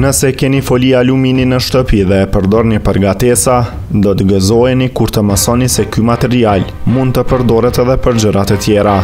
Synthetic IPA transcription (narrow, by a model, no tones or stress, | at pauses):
nəsɛkɛnifɔlialumininəʃt̪əpiðɛpəɾd̪ɔɾnipəɾɡat̪ɛsa | d̪ɔt̪ɡəzɔɛnikuɾt̪əməsɔnisɛkymat̪ɛɾial | mund̪̚t̪əpəɾd̪ɔɾɛt̪ɛðɛpəɾd͡ʑəɾat̪ɛt̪jɛɾa